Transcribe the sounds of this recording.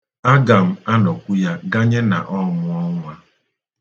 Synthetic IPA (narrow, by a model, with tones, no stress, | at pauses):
a˦ɡa˨m̩˦a˦nɔ˨kʷu˦ja˦ɡa˦ɲe˦na˨ʔɔ˦mʊ˦ɔ˦ŋʷa˦